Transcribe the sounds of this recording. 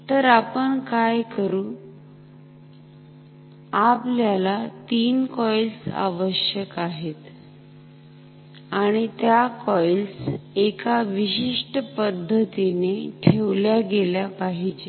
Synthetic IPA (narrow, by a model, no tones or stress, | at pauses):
t̪əɾapəɳkajkəɾũː | apljalat̪iːnkɔjlsa̰ʋəɕjəkaɦet̪ | aɽ̃it̪jakɔjlsekaʋiɕiʂʈəpəd̪ʱːət̪ineʈʰeʋljaɡeljapaɦid͡ʑe